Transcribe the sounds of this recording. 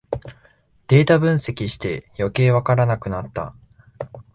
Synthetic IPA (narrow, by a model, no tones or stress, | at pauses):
d̪̥e̞ːt̪abɯ̟̃ɰ̃se̞kʲiɕi̥t̪e̞jo̞ke̞ːβakaɾanakɯ̟nat̪ːa̰